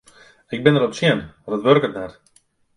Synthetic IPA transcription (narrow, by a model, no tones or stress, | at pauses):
ɪk̚bɪnəɾɔpsjɛnadətʋørkətnɛr